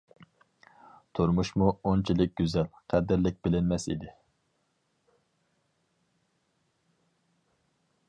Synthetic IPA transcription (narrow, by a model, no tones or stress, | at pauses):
t̪ʰuɾmuʃmuont͡ʃʰilɪk̚ʲɡʲyzɛlqʰæd̪ɪɾlɪk̚ʲbɪlɪnmɛsḭd̪ɪ